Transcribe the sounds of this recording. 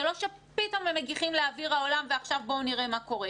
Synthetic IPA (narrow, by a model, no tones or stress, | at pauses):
elo̞ʃepito̞memeɡiχimleaviʁhaolamveaχʃavboniʁemako̞ʁe